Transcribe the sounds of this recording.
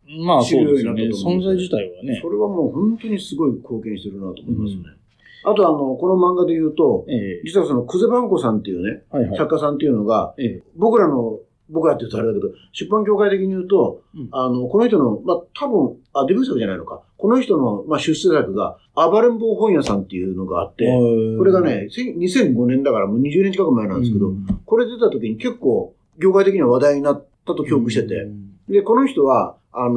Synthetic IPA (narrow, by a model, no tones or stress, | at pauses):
masiɾɯjjoːɲinat̪ːeosõnzaid͡ʑit̪aiβaneso̞ɾe̞βamo̞ːhõ̞nt̪o̞ɲ̟isɨɡo̞ikʰo̞ːkẽɕit̪eɾɯ̟nat̪oːmoimasɨjone | at̪o̞ano̞ko̞no̞mãŋɡad̪e̞jɯ̟ːt̪o̞d͡ʑit͡sɨβaso̞no̞kɯze̞bãŋko̞sãnt̪ːe̞jɯ̟ːne̞sakːasãnt̪̬e̞jɯ̟no̞ɡa̰bo̞kɯ̟ɾano̞ | bo̞kɯ̟ɾat̪ːeiɯ̟t̪oaɾed̪aked̪o | ɕɨpːãŋkʲoːkait̪e̞kʲiɲ̟ijɯːt̪o̞ano̞konoçi̥t̪o̞no̞mat̪ʰabɯ̟̃ŋ | ad̪ebɯ̃ɰ̃sakɯ̟ʑanaḭno̞ka̰ko̞no̞çi̥t̪o̞no̞maɕɨseːsakɯ̟ɡa̰ | abaɾɯ̃mbo̞ːɦõ̞ɰ̃jasãnt̪ːe̞jɯ̟no̞ɡa̰a̰t̪ːe̞ko̞ɾeɡane̞sẽɲ̟isẽ̞ŋɡo̞nẽ̞nd̪akaɾamoːɲ̟iʑɨːneɲt͡ɕikakɯ̟mae̞nãnd̪eskeo̞ko̞ɾe̞d̪ed̪et̪at̪o̞kʲiɲ̟ike̞kːoː | kʲo̞ːkait̪e̞kʲiɲ̟iβaβad̪aiɲ̟inat̪ːat̪o̞kʲo̞ːkɯ̟ɕi̥t̪e̞t̪e̞̰d̪e̞ko̞no̞çi̥t̪o̞βa | ano